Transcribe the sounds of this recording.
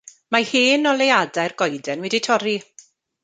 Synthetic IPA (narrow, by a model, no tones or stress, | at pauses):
mahiːnɔlejadajrɡɔjdɛnwɛditʰɔɾi